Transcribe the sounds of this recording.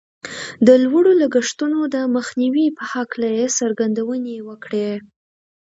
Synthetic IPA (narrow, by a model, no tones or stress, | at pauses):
d̪əlwaɽolaɡəʂt̪unod̪əməxniwipəhaklajesaɾɡand̪awənewəkɽe